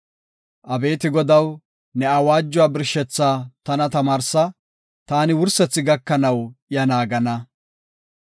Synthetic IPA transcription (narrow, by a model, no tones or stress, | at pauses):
ʔɐbe̞ːt̪ɪɡɔd̪ɐw | nɛɐwaːd͡ʒːʊwaːbɪɾʃɛt͡sːaːt̪ɐnɐt̪ɐmaːɾsɐ | t̪aːnɪwʊɾsɛt͡sːɪɡɐkːɐnɐwjɐnaːɡɐnɐ